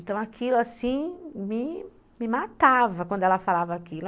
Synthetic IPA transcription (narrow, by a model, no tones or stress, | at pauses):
t̪ɐ̃w̃akʰilʊasĩmɪ | mɪmat̪avɐkwɐ̃d̪ʊɛlɐfalavɐakilʊ